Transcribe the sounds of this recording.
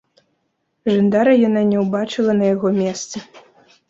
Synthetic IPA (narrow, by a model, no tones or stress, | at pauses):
ʐɨnd̪aɾɐjananʲɛwbat͡ʂɨlˠɐnɐjaɣɔmʲɛst̪sɨ